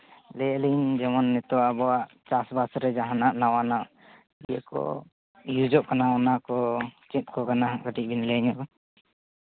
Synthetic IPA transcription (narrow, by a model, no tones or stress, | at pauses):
lɛlind͡ʒɛmɔnːɛt̪ɔwaʔbɔaʔ | t͡ʃasbasɾɛd͡ʒaɦanaʔnawanaʔ | iɛkɔ̰ | jud͡ʒɔʔkanaɔnakɔt͡ʃɛt̪̚kɔkanaɦɡəʈic̚ˀbinlɛɲɔʔkɔ